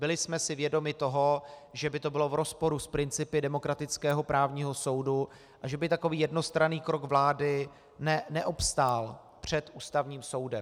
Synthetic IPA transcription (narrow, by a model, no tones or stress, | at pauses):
bɪlɪsmɛsɪvjɛdo̞mɪt̪o̞ɦoʒɛbɪt̪o̞bɪlo̞vɾo̞spo̞ɾuspɾɪnt͡sɪpɪdɛmo̞kɾat̪ɪt͡skɛːɦo̞pɾʔaːvɲiːɦo̞so̞wdu | ʔaʒɛbɪt̪ako̞viːjɛdno̞st̪ɾaniːkɾo̞kvlaːdɪ | nɛnɛʔopst̪al | pr̝̥ɛt̪ʔuːst̪avɲiːmso̞wdɛm